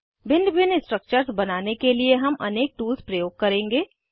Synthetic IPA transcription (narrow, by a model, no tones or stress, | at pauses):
bɪ̃nɖbɪnɪsʈɾək̚t͡ʃəɾsbɐnaːnekelieɦɐmʔɐ̰neːk̚ʈuːlspɾɐjoːɡ̚kɐɾẽːŋɡeː